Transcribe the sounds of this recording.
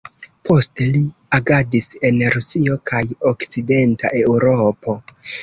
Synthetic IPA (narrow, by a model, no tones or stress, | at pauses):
pʰo̞ste̞liaɡadise̞nɾusio̞kʰajokt͡side̞ntaʔe̞wɾo̞po̞